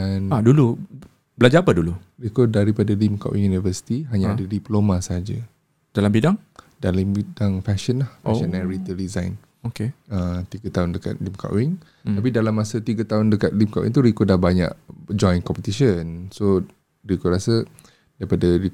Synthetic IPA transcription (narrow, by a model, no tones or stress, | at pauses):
anadulu | bəlad͡ʒaapədulu | rikɔdaɾipadalimka̰ʔwʔḭŋjunivəsi̥t̪iɦaɲaadadiplomasəɦad͡ʒa̰ | d̥alambidaŋ | dalambidaŋfɛʃənlahfʃənːɛɾit̪ədizajn | okeət̪iɡat̪aɦundəka̰t̪̚limka̰ʔwiŋ | t̪apidalamːasət̪iɡat̪aʊndəkat̪̚limkaʔwḭŋt̪uɾikɔdahbaɲa̰ʔd͡ʒɔjnkɔmpət̪iʃənso | rikɔɾasə | daɾipadaɾi